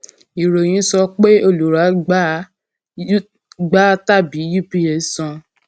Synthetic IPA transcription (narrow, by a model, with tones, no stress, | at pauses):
i˨ɾo˨j̃ĩ˨˦sɔ˧k͡pe˦o˧lu˨ɾa˨˦ɡ͡b | ɡ͡ba˦ta˦˨bi˨˦ju˦˨pi˦e˨sɔ̃˧